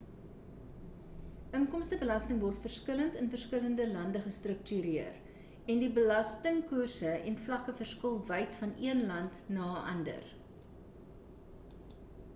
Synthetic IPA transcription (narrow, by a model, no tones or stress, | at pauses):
ʔəŋkɔmstəbəlɐstəŋvɔrtfərskələntənfərskələndəlɐndəχəstrək̚tyɾiər | ɛndibəlɐstəŋkursəɛnflɐkəfərskəlˠvəjtfɐniənlɐntnɑːʔɐ̰ndə̰r